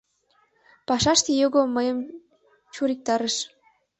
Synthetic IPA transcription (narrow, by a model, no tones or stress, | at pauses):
pɑʃɑʃt̪ejoɣoməjəm | t͡ɕuɾik̚t̪ɑɾeʃ